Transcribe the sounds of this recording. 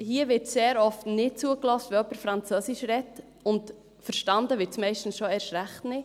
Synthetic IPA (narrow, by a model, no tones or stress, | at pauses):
hiəʋɪɾtseːɾɔftnɪt̚t͡suəklɔstvɛɔpəɾfɾɑnt͡sœsɪʃɾɛt | ʊnt | fəɾʃtɑndəʋɪɾtsmɛɪʃtn̩sʃoɛɾʃɾæχtnɪ